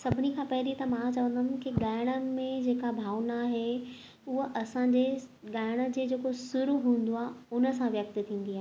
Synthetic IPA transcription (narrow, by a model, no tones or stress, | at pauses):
sɐbʱɪnikʰãːpɐɦɪlit̪ɐmãt͡ɕɐʋə̃nd̪ʱɐmkiɠaːɪɽ̃əmẽd͡ʑeːkabʱaːʋnaɦe | ʊɦəʔɐsãɲd͡ʑeɠaːɪɽ̃ə̆d͡ʑeːd͡ʑeːkosʊɾuɦũːn̆d̪oaːɦeʊnə̆sãʋjɐk̚t̪t̪ʰĩːn̆d̪iaːɦee